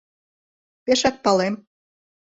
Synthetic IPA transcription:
peʃæk̪̚pɑlem

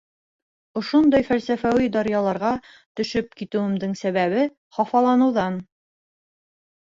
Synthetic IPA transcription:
ŏʃond̪ɑjfælsæfæwid̪ɑɾjɑlˠɑɾʁɑ | t̪ɵ̆ʃɵp̚kit̪ɘ̆wɘ̆md̪ɘŋsæβæβɘ | χɑfɑlˠɑnɤ̆wðɑn

